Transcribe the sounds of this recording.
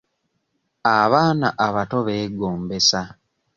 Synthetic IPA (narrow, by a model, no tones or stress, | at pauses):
aβaːnaʔaβato̞βe̞ːɡoːmbe̞sa